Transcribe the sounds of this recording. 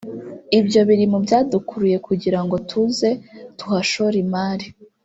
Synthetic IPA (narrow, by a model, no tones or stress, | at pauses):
ibjo̞βiɾimubjaːdukuɾuje̞kʰuɟiɾaŋɡo̞tʰuze̞tuhaʃoɾimaːɾi